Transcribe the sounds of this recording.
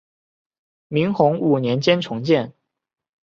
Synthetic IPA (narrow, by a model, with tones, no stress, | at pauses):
mi˧˥ŋxʊ˧˥ŋu˨˩njɛ˧˥nt͡ɕjɛ˥nʈ͡ʂʰʊ˧˥ŋt͡ɕjɛ˥˩n